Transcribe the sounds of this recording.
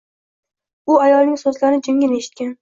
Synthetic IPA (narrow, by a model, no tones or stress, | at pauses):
ʊajɒlˠnɪŋʲsozlaɾɪd͡ʒʊŋɡʲɪneʃɪ̥t̪̚kʲan